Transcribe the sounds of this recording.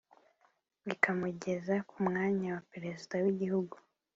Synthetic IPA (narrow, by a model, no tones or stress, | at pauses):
βikʰamuɟe̞zakumŋaːɲawapeɾezidawiɟihuɡu